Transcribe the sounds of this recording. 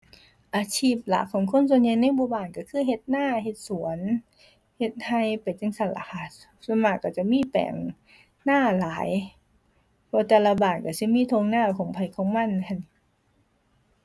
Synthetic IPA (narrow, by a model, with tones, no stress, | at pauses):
ʔaː˨˧t͡ɕʰiː˧˥˨p̚la̰˧˩kʰːɔː˨˦ŋkʰo˧˥˨ns̬u˧˨nɲa˧˨jna˥˨jbo˧˨baː˧˩nka˧˩kʰɯː˧˥˨ɦe˧t̪̚naː˧˥˩ɦe˧t̪̚su˨˩˦ən | he˧˩t̪̚ha˧jpa˨jt͡ɕa˧˥˨ŋsa˧˩la̰˧˩kʰa˧˩ | sa˧˥maː˧˩kːa˧˩t͡ɕa˧˩miː˧˥˨pɛ̰ː˨˩ŋ | naː˧˥˩laː˨˦j | pʰɔː˧˩t̪ɛː˧la˧baː˨˩nka˧˩si˧˥˦miː˧˥˨t̪ʰo˧ŋnaː˧˩˨kʰɔː˨˦ŋpʰa˨˩jkʰɔː˨˦ŋma˧˥˨n˧kʰa˧˩n˧